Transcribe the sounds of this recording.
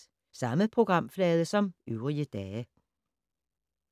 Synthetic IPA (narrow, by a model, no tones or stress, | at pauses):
sɑ̈məpʰʁo̝ɡ̥ʁɑ̈m̰flɛːð̞ˠəsɒ̽myʊɐʁiəd̥ɛː